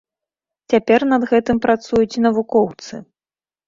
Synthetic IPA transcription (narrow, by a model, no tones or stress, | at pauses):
t͡sʲapʲɛrnɐd̪ɣɛt̪ɨmpɾat̪sujut͡sʲinɐvukɔwt̪sɨ